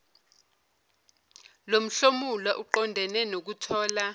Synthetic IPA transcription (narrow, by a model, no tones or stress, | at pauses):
lom̩ɬomulwaʔuǃɔndʱɛnɛnok̬utʰɔːla